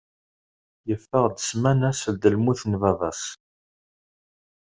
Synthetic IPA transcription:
jəfːəʁd̪əsmænæsəld̪əlmuθnvɑðˤɑs

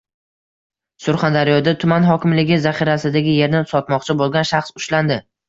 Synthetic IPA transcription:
sʊɾχand̪aɾɪjɒd̪at̪ʰʊmanɦɒkʲɪmlɪɡʲɪzaχiɾasɪd̪aɡʲɪje̞ɾnɪsɒt̪mɒqt͡ʃʰɪbolˠɡʲanʃaχsʊʃland̪ɪ

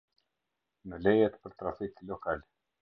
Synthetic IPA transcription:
nəlɛjɛt̪pəɾt̪ɾafiklɔkal

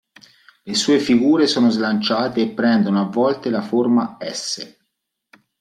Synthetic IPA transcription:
lesuːefiɡuːɾesoːnozlant͡ʃaːt̪eːpːɾɛnd̪onoavːɔlt̪elaformaɛsːe

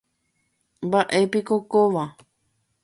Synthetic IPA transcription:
mbaʔe̞pikokoʋa

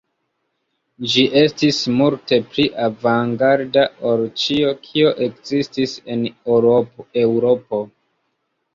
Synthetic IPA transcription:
d͡ʒiʔe̞stismulte̞pliʔavaŋɡaɾdaoɾt͡ʃio̞kʰio̞ʔe̞kzistise̞n | ewɾopo̞

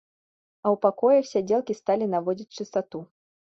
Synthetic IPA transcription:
ɐwpakɔjɐxsʲad͡zʲelˠkʲist̪alʲinavɔd͡zʲit͡sʲt͡ʂɨst̪at̪u

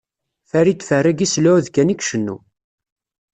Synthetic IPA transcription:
θæɾit̪ːfərːaɡislæðkːænikʃənːu

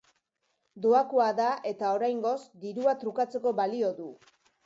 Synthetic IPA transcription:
d̪oakoaðaʔe̞t̪ao̞ɾajŋɡo̞sd̪iɾuat̪ɾukat͡se̞ko̞βalio̞ðu

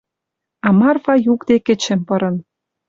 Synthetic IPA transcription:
ɑmɑrfɑjukd̪ekĕt͡ɕĕmpɤ̆ɾɤ̆n

